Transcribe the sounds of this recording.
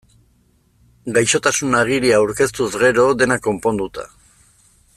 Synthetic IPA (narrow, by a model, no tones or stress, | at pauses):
ɡajʃo̞t̪asunaɣ̞iɾiaːwɾke̞st̪uzɣe̞ɾo̞d̪e̞nako̞mpo̞nd̪ut̪a̰